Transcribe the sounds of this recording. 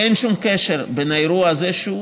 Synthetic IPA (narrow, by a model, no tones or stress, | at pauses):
enʃumkeʃeʁbenajɾuazeʃu